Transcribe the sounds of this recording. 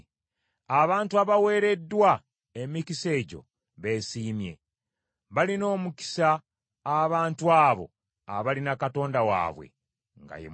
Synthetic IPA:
aβaːntuaβawe̞ːɾe̞dːwa | emicise̞ːɟo̞̰ | βe̞siːmje̞̰ | βalino̞ːmuki̥saː | βaːntuaːβo̞̰ | a̰βalinakato̞ːndawa̰ːβwḛ | ŋɡa̰jḛ

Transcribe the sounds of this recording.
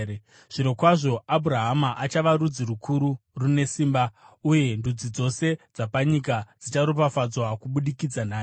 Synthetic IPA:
ʐ̥iɾokwaʐo̞abʱuɾaɦamaʔat͡ʃaʋaɾud͡zirukʰuɾurune̞siːmbauje̞ndud͡zid͡zo̞se̞d͡zapaɲikad͡zit͡ʃaɾup̬afad͡zwakuɓuɗikid͡zanaː

